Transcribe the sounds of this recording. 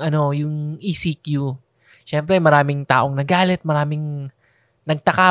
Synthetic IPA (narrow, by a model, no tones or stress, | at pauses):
ʔɐno̞jʊŋʔisikju | ʃɛmpɾɛmɐɾaːmɪŋt̪a̰ːʔoŋnɐɡaːlɛt̪̚mɐɾaːmɪŋ | nɐɡ̚t̪ɐka